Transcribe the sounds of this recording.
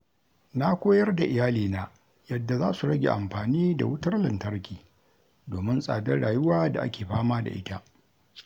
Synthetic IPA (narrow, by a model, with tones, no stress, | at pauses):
na˦kʷoː˦jɐ˦rda˨ʔɪ˨jaː˦liː˨naː˦ | jɐ˨dːa˨zaː˦su˨ɽɐ˦ɡʲḛ˨ʔa˨mɸaː˨niː˦da̰˨wʊ˦tɐ˦rlɐ˨ntɐ˦rkʲiː˨ | doː˨mɪ˦nsʼa̰ː˨dɐ˦ɽaː˨jʊ˦waː˦da̰˨ʔa̰˦kʲeː˨ɸaː˦maː˦da̰˨ʔɪ̰˦ta˦ʔ